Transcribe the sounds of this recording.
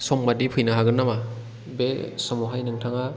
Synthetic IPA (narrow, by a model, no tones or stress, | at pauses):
sɔmmadipʰɯjnaɦaɡɯnːama | besɔmɔɦajnɯŋtʰaŋa